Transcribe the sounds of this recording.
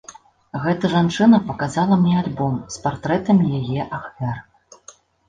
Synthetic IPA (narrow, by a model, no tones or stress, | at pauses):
ɣɛt̪ɐʐant͡ʂɨnɐpɐkazalˠɐmnʲɛalʲbɔmspart̪ɾɛt̪ɐmjajɛʔaxvʲar